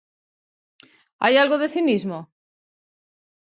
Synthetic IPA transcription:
a̰jalɣoðe̞θinizmo

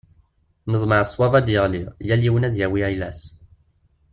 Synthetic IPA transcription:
nəzˤməʕsˤːwɑvæd̪jəʁliʁjælːiwənæðjæwiæjlæs

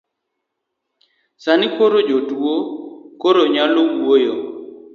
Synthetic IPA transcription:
sanikoɾod͡ʒotwokoɾoɲalomwojo

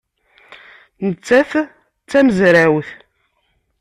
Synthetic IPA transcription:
nət͡sːæθ | t͡sːæməzɾæwθ

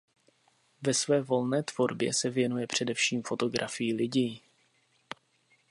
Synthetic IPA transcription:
vɛsvɛːvo̞lnɛːt̪v̥o̞ɾbjɛ̰sɛvjɛnujɛpr̝̥ɛdɛfʃiːmfo̞t̪o̞ɡɾʔafɪjilɪɟiː

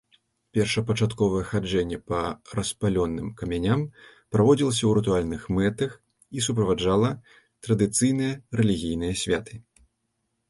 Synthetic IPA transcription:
pʲɛrʂɐpɐt͡ʂat̪kɔvɐjɛxad͡ʐɛnʲːɛpɐɾɐspalʲɔnːɨmkɐmʲanʲam | pɾavɔd͡zʲilˠɐsʲɐwɾɨt̪ualʲnɨxmɛt̪ɐx | is̬up̬ɾɐvad͡ʐalˠɐ | t̪ɾɐd̪ɨt̪sɨjn̪ɨjɐrɛlʲiɣʲijnɨjɐsʲvʲat̪ɨ̥

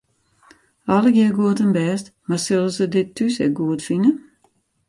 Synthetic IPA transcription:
ɔlˠəɡjiəɡuətənbɛːstmasølˠəsədɪtʰːysɛ̰ɡuətfinə

